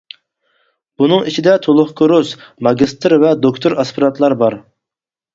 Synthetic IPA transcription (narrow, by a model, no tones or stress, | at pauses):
b̥unɨŋit͡ʃʰid̪ɛt̪ʰolˠʊχkʰoɾusmɑɡʲist̪ɨɾvɛd̪okt̪ʰoɾɑspʰɨɾɑt̪lˠɑɾbɑɾ